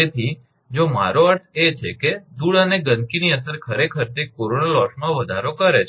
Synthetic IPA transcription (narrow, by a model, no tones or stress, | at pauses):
et̪ʰi | d͡ʒoma̰ɾoəɾt̪ʰet͡ʃʰeked̪uɭəneɡə̃nkiniəsəɾkʰəɾekʰəɾt̪ekoɾonalɔʃmãʋəd̪ʱaɾokəɾet͡ʃʰ